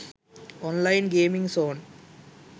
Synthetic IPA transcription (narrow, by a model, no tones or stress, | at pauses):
ɔːnlaɪnɡeːmĩŋɡsoːn